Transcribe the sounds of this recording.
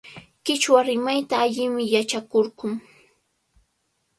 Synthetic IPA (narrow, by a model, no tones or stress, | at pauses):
kɪt͡ʃwaɾɪmajt̪aːʎɪmɪjat͡ʃakoɾɢʊŋ